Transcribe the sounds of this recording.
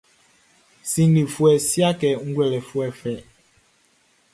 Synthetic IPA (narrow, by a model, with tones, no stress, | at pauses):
si˦ŋ˦li˨fwɛ˨sja˦kɛ˨ŋ̩˦ɡwɛ˨lɛ˨fwɛ˨fɛ˨